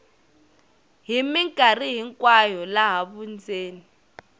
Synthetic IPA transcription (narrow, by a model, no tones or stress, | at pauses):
ɦimiŋkʼariɦiŋkʼwajɔlaɦaβund͡zeːni